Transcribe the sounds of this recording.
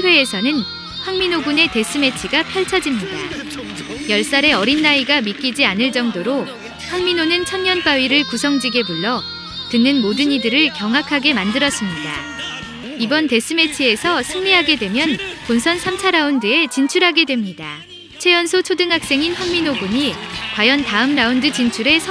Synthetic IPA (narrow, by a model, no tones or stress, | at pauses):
we̞ːsʰʌnɯn | ɸwaŋminoɡune̞te̞s͈ɯme̞t͡ɕʰiɡapʰjaɭt͡ɕʰʌd͡ʑimɲida̰ | jʌɭs͈aɾe̞ʌɾinːaiɡamik͈id͡ʑianɯɭt͡ɕ͈ʌŋdoɾo | ɸwaŋminonɯnt͡ɕʰʌnɲʌnp͈aɥiɾɯɭkusʰʌŋd͡ʑiɡe̞buɭːʌ | tɯnːɯnmodɯnidɯɾɯɭkjʌŋɦakʰaɡe̞mandɯɾʌs͈ɯmɲida̰ | ibʌnte̞s͈ɯme̞t͡ɕʰie̞sʰʌsʰɯŋɲiɦaɡe̞dwe̞mjʌnponsʰʌnsʰamt͡ɕʰaɾaundɯe̞t͡ɕint͡ɕʰuɾɦaɡe̞dwemɲida | t͡ɕʰe̞jʌnsʰot͡ɕʰodɯŋɦak̚s͈e̞ŋinɸwaŋminoɡuɲikwajʌntaɯmɾaundɯt͡ɕint͡ɕʰuɾe̞sʰ